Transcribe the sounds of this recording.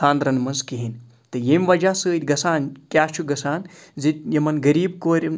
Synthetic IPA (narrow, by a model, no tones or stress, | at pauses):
aːnd̪ɾɐnmɐnzkiɦin | t̪ɨjemʲʋɐd͡ʒaːsɨːt̪ʲɡɐsaːnkʲjaːst͡ʃʰuɡɐsaːnzit̪̚ʲjɐmɐnɡɐɾiːbkoːɾʲ